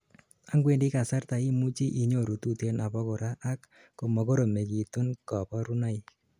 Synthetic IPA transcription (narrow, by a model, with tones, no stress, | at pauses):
a˦ŋɡwe˦˨ndi˦ka˨sa˦ɾta˨i˦mu˦t͡ʃi˦ʔi˨ɲo˦˨ɾu˨tu˦te˦na˨bɔ˦kɔ˨ɾa˦ʔa˦kː | o˨mɔ˨ko˦ɾo˨me˨ki˨tu˦nkɔ˨pɔ˦ɾu˦na˦i˦